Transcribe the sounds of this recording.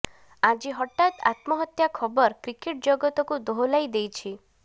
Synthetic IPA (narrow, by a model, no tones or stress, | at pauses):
ad͡ʒiɦɔʈːat̪a̰t̪mɔɦɔt̪jakʰɔbɔɾkɾikeʈ̚d͡ʒɔɡɔt̪ɔkud̪oɦolajd̪ejt͡ʃʰi